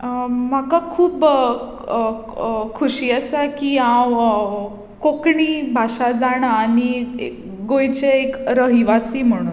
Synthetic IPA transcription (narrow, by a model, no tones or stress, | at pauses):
makakʰuːp | kʰuɕiːəsakiãw | kokɳiːbʱaɕad͡zaɽ̃aːniḛ | ɡojt͡ɕeekɾəɦiʋasiːm̤əɽ̃un